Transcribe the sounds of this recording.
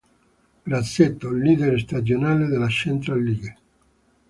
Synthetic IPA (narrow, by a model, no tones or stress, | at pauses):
ɡɾat̪set̪ːolːiːd̪eɾst̪ad͡ʒjonaːleðelat͡ʃent̪ɾalːiɡe